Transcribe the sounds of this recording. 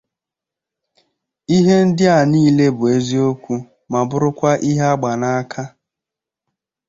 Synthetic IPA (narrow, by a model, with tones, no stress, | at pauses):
i˦ɦe˦n̩˦dɪ˦a˨niː˦le˦bʊ˨e˦zi˦o˦kʷu˦ | ma˨bʊ˦ɾʊ˦kʷa˦ʔi˦ɦe˦a˦ɡ͡ba˨na˦a˦kʰa˦